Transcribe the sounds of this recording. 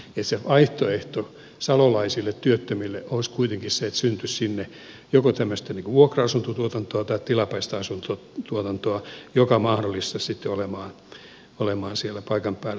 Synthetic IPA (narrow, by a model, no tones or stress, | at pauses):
et̪seɑiht̪oeht̪o | sɑlolɑisilːet̪t̪yøt̪ːømilːeʔoiskuit̪eŋkisseet̪synt̪yssinːe | jokot̪æmːøst̪æniːŋkuʋuokrɑɑsunt̪ot̪uot̪ɑnt̪oɑt̪ɑitt̪ilɑpɑist̪ɑɑsunt̪o | t̪uot̪ɑnt̪oɑjokɑmɑhnolːist̪ɑssit̪ːeolemɑːn | olemɑːnsielːæpɑikɑmpæːl